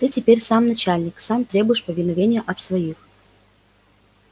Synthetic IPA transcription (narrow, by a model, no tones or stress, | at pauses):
t̪ɨtʲɪpʲeɾʲsamnɐt͡ɕælʲnʲɪksamt̪ɾʲe̞bʊjɪʂpəvʲɪnɐvʲenʲɪjəʔɐt̪svɐjix